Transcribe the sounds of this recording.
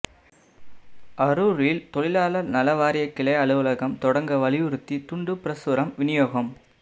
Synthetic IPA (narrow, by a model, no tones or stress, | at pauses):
ʔɐɾuːɾɪlt̪ɔɭɪlaːlɐnɐlɐʋaːɾɪjɐkːɪɭɐɪɐɭɯʋɯlɐɣɐmt̪ɔɽɐŋɡɐʋɐɭɪʋɯɾɯt̪ːit̪ʊɳɖɯpɪɾɐsɯɾɐmʋɪnɪjoːɣɐm